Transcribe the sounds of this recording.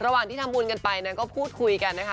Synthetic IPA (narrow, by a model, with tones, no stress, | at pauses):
ɾa˧waː˨˩ŋt̪i˥˩t̪ʰa˧mːbuː˧nka˧npa˧jna˦˥kɔː˥˩pʰuː˥˩t̪̚kʰu˧jka˧nːa˦˥kʰ